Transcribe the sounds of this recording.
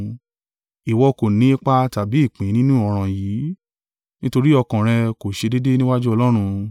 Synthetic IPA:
i˨wɔ˧ko˨nĩ˨˦e˦k͡pa˦ta˨bi˨˦i˦˨k͡pĩ˨˦nĩ˦nũ˦ɔ˧ɾ̃ã˧jiː˨˦ | nĩ˦to˧ɾi˦ɔ˧kã˨ɾ̃ɛ̃˧ko˨ʃe˧de˦de˦nĩ˦wa˦d͡ʒu˦ɔ˧lɔ˦ɾ̃ũ˧

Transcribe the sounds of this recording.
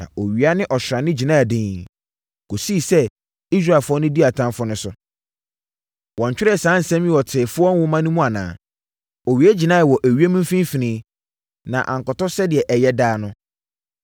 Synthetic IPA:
nã̰˨o˨ɥi˨a˦nɪ̃˦ʔɔ˨ɕɾã˨nɪ̃˦d͡ʑi˨nã˦˨dɪ̃˨ | ko˨si˦˨sɛ˦ | i˦s̬ɾa˦˨fʊ˦ɔ˦nʊ̃˦di˦a˨tʰã˦mfʊ˦nʊ̃˦sʊ˨ | wɔ̃˨ɲt͡ɕᶣɪ˦ɾɛ˦˨sãː˦n̩˨sɛ̃˦mĩ˦ɔ˨tʰɪː˨fʊ˦ɔ˦n˦wʊ˦mã˦nʊ̃˦mũ˦a˨nã̰ː˨ | o˨ɥi˨˦e˦d͡ʑi˨nã˦˨wɔ˨ʔæ˨ɥi˦e˦mĩ˦m˦fĩ˦n˦fi˨nɪ̃˦ | nã̰˨ʔã̰˨ŋkɔ˨tɔ˦sɛ˦dɪ˨ɛ˨ʔɛ˨jɛ˦daː˦nʊ̃˦

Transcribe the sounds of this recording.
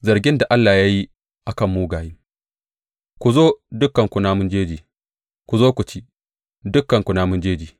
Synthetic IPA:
zɐ˨ɾɡʲɪ˦nda˨ʔa˦lːaː˨ja˦ji˦ | ʔa˨kɐ˦˨mːuː˦ɡaː˨jiː˦ | kʷu˨zoː˦dʊ˦kːɐ˨ŋkʷu˨naː˦mʊ˦nd͡ʒeː˦d͡ʒiː˨ | kʷu˨zoː˦kʷʊ˨t͡ʃiː˦ | dʊ˦kːɐ˨ŋkʷu˨naː˦mʊ˦nd͡ʒeː˦d͡ʒiː˨

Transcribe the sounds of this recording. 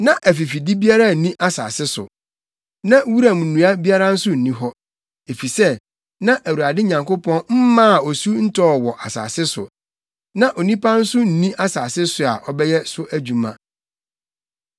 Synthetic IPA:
nã˦ʔæ˨fi˨fi˨di˦bi˦a˦ɾa˦˨nĩ˦ʔa˦sa̰ː˨sɪ˦sʊ̰˨ | nã˦wu˦ɾa˨m˨n̩˨nũ˨a˦bi˦a˦ɾa˦n̩˦sʊ˦n̩˨nĩ˦ɦɔ˦ | e˨fi˨sɛ˦ | nã˦ʔæ˨wu˨ɾa˨dɪ˦ɲã˨ŋkʊ˦pʰɔ̃˦nm̩˦mã˦˨ɔ˨su˦n̩˦tɔː˦˨wɔ˨ʔa˨sa̰ː˨sɪ˦sʊ̰˨ | nã˦ʔo˨nĩ˦pʰa˦n̩˦sʊ˦n̩˨nĩ˦ʔa˦saː˨sɪ˦sʊ˨a̰˨ʔɔ˦bɛ˦jɛ˦sʊ˦ʔæ˦d͡ʑᶣu˨mã̰˦

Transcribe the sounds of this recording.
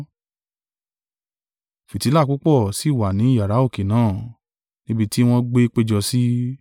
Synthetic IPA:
fi˨ti˨˦la˦˨ku˨˦k͡pɔ˦˨si˨˦˨wa˨nĩ˨˦ja˨ɾa˨˦o˦˨ke˨nãː˨˦˨ | nĩ˦bi˧ti˦w̃ɔ̃˧ɡ͡be˦k͡pe˦d͡ʒɔ˧si˦

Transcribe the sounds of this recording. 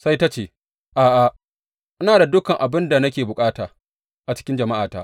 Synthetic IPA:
sa˦jta˦t͡ʃeː˨ | ʔaː˨ʔa˨ | ʔɪ˦naː˨da˨dʊ˦kɐ˨ŋʔa˨bɪ˦nda˨nɐ˦k̬ʲeː˨bʊ˨kʼaː˦taː˨ | ʔa˨t͡ʃɪ̥˦kʲɪ˦nd͡ʒɐ˨ma˦ʔaː˨taː˦

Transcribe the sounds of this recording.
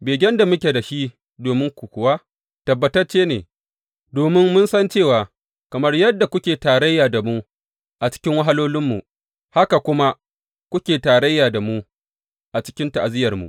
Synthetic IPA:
beː˨ɡʲɛ˦nda˨mʊ˦kʲe˨da˨ʃi˦ | doː˨mɪ˦ŋkʷu˨kʷʊ˨waː˦ | tɐ˨bːɐ˨tɐ˦rt͡ʃeː˦neː˨ | doː˨mɪ˦ŋmʊ˦nsɐ˦nt͡ʃeː˦˨waː˨ | kɐ˨mɐ˦rjɐ˦dːa˨kʷʊ˦kʲeː˨taː˨ɾɐ˦jːaː˨da˨mu˦ | ʔa˨t͡ʃɪ̥˦kʲɪ˦ŋwɐ˦ɦa˦loː˦lɪ˦mːu˨ʔ | ha˦ka˨kʷʊ˦ma˦ | kʷʊ˦kʲeː˨taː˨ɽɐ˦jːaː˨da˨mu˦ | ʔa˨t͡ʃɪ̥˦kʲɪ˦nta˨ʔa˨zɪ˦jɐ˨rmṵ˨ʔ

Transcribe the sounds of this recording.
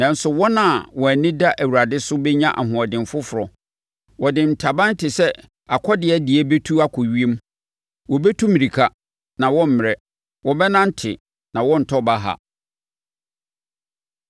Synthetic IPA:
nã˨n̩˦sʊ˨wɔ˦nã˨wɔ˨æ˨nɪ̃˦da˦ʔæ˨wu˨ɾa˨dɪ˦sʊ˦bɛ˦ɲã˦ʔa̰˨ɦʊ̃˨ɔ˨dɪ̃˨m˨fʊ˦fʊ˨ɾɔ˨ | wɔ˨dɪ̃˨n̩˨tʰa˨bã˦n̩˦tʰɪ˨sɛ˦ | a˨kʰɔ˦dɪ˨ɛ˦dɪ˨ɛ˦be˦tʰu˦a˦kʰɔ˨ɥi˦e˦m˦ | wɔ˨bɛ˦tʰu˦mĩ˨ɾi˨kʰa˦ | nã˨wɔ̃˦m̩˦mɪ̃˨ɾɛ˦ | wɔ˨bɛ˦nã˦n̩˦tʰɪ˨ | nã˨wɔ̃˦n̩˨tʰɔ˦ba˦ɦa̰˨

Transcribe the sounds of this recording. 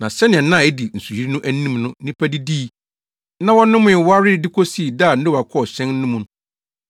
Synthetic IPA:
nã˨sɛ˦nɪ̃˨ɛ̃˨nã˦˨ɛ˦di˨n̩˨su˨hi˨ɾi˦nʊ̃˦ʔæ˦nĩ˦mnʊ̃˦nĩ˦pʰæ˦di˦diː˦˨ | nã˦wɔ˦nʊ̃˦mʊ̃˨˦˨wa˦ɾɪ˦dɪ˦kʰo˦si˦˨daː˦˨n̩˦dʊ˦wa˨kʰɔ˦ɔ˨ɕɛ̃˦n̩ː˦ũ˦mũ˨n˦

